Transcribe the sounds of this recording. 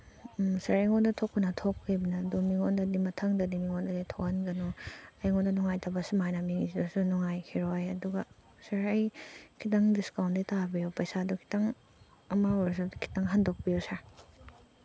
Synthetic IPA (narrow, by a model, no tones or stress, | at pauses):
sɐɾɐjŋondɐtʰokːunɐtʰokʰːibinɐdumiŋondɐdimɐtʰɐŋdɐdimiŋondɐditʰokhɐnɡɐnuɐjŋondɐnuŋajtʰabɐsumajnɐmiŋizidusunuŋajkʰiɾojɐduɡɐ | sɐɾɐjkʰitaŋdiskawnditabijopɐjsadukʰi̥taŋ | ɐmaɔɾs̬ukʰi̥taŋɦɐndok̚bijosaɾ